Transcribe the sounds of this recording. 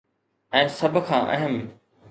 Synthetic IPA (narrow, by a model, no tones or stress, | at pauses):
ɛ̃ːsɐbʱkʰãːʔɐ̰ɦəm